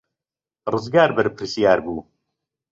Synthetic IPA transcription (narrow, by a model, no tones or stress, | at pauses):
rɨzɡaːɾbɨɾpʰɨɾsijaːɾbuː